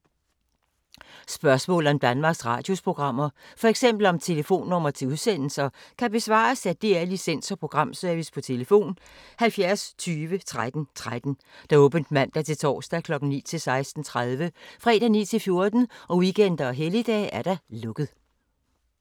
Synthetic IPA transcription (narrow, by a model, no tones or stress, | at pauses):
sb̥ɶɐsmɔ̰̽ːl̩ˠɒ̽md̥ænmɑ̈ːɡ̥sʁɑ̰̈ːd̥jo̝spʰʁo̝ɡ̥ʁɑ̈m̰ɐfɒ̽eɡ̥sem̰b̥l̩ɒ̽mt͡sʰe̝ləfo̝̰ːnːɔ̽m̰ɐt͡sʰe̝uðˠsen̰l̩sɐkʰæb̥e̝sʋɑ̰̈ːsæd̥eæɐlisen̰sɒpʰʁo̝ɡ̥ʁɑ̈m̰sœɐʋispʰɒ̽t͡sʰe̝ləfo̝̰ːn | hælfjæɐst͡sʰyːʋət͡sʰʁad̥n̩t͡sʰʁad̥n̩ | d̥ɑ̈ɔ̽ːb̥ən̩d̥mæn̰d̥æɐt͡sʰe̝lt͡sʰɒ̰ːsd̥ækʰlɒ̽ɡ̥n̩nḭːt͡sʰe̝lsɑ̈ɪsd̥n̩t͡sʰʁað̞ˠʋəfʁɛ̰ːd̥ænḭːt͡sʰe̝lfjo̝ɐd̥n̩ʔɒ̽ʋiɡ̥en̰d̥ɐɒɦelid̥ɛ̰ːʔæɐɾ̥æ̈lɔ̽ɡ̥ð̩ˠ